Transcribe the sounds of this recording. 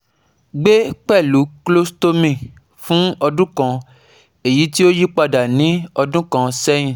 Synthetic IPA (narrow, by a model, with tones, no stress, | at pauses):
ɡ͡be˦k͡pɛ˦˨lu˨˦klo˦sto˦mĩ˧˨ | fũ˦ɔ˧dũ˦kã˧ | e˨ji˨˦ti˦o˦ji˦k͡pa˧da˨nĩ˨˦ɔ˧dũ˦kã˧sɛ˦j̃ĩ˨